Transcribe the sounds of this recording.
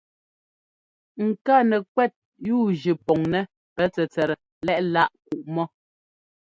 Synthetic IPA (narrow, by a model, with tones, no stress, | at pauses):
ŋ̩˨ka˦˨nɛ˨k̚wɛ˦˨t̚ | juː˦˨d͡ʒi˨pɔ˨ŋnɛ˦ | pɛ˨˦t͡sɛ˨t͡sɛ˨ɾɛ˨ | lɛ˦ʔla˦ʔku˨ʔmɔ˦